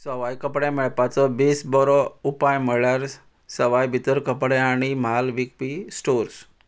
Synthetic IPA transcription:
səʋajkəpɽẽmɛɭpat͡sɔbesbɔɾɔupajməɭaɾ | səʋajbʱit̪əɾkəpɽeaɽ̃imalʋik̚pisʈoɾs

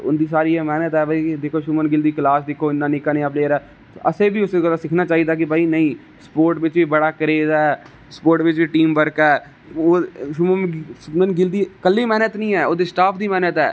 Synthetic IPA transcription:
ʊ̰nd̪iːsaːɾiːɛːmɛːnət̪ɦɛːbaiːd̪eːkʰoːʃʊmənɡɪld̪iːklaːsd̪ɪkʰːoːɪnːãːnɪkːanẽːaːp̬leːəɾɛː | ʔəseːbʱiːʊseɡəlaːsɪkʰnaːt͡ʃaːiːd̪aːk̬ɪbaːiːnəĩː | spoːɾʈʋɪt͡ʃʋiːbəɽaːkəɾeːzɛː | spoːɾʈʋɪt͡ʃbiːʈiːmbəɾkɛː | oːʃʊməmənɡɪld̪iːkəlːiːmɛːnət̪nĩːɛːoːd̪iːsʈaːpʰd̪iːmɛːnət̪ɦɛ̰ː

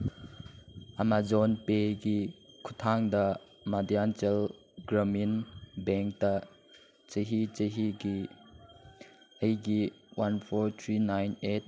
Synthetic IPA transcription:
ʔamazɔnpeɡikʰut̪ʰaŋdɐ | madiantel | ɡɾɐminbɛŋk̚ta | t͡ʃəɦit͡ʃəɦiɡi | ejɡi | wanpʰɔɾt̪ʰɾinajnet̚

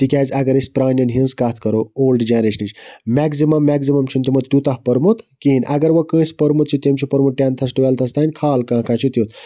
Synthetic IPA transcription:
t̪ikʲaːzɐɡɐɾisʲpɾaːnʲjɐnɦĩnskaːt̪ʰkɐɾooːlɖd͡ʒenɾeʃənit͡ʃmɛkzimɐmːɛksimɐmt͡ʃʰunt̪imɐt̪ut̪ahpəɾmut̪kiːnʲʔɐɡɐɾʋɐkə̃ːsʲpəɾmut̪t͡ʃʰit̪emt͡ʃʰipɐɾmut̪̚ʈʲjãːnt̪ʰɐs̬ʈʋʲaːlt̪ʰɐst̪ʰaːnʲkʰaːlkãːkãːt͡ʃʰit̪jot̪

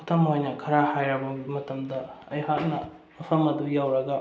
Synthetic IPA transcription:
tʰɐmojnɐkʰɐɾahajɾɐbɐmɐtɐmdɐɐjɦak̚nɐ | mɐpʰɐmɐd̪ujawɾɐɡɐ

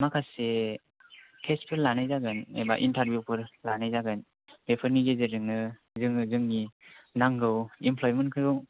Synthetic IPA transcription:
makʰase | kʰespʰɯɾlanajzaɡɯnḛba̰ʔintaɾbʱjupʰɯɾlanajzaɡɯn | bepʰəɾniɡezeɾɯŋnɯ | zɯŋɯzɯŋninaŋɡɯwimpʰlɔjmɯnkʰɯjɔ

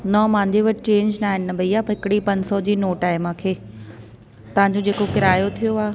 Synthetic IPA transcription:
nɔːmãːɲd͡ʑeʋɐʈt͡ɕẽːɲd͡ʑnaːɦɪnːɐbʱɐiaːpɐɦɪkɪɽipɐ̃ɲsɔd͡ʑiːnoːʈaːɪmãːkʰeː | t̪ɐʋɦãɲ̆d͡ʑod͡ʑeːkokɪɾaːjot̪ʰijoaːɦe

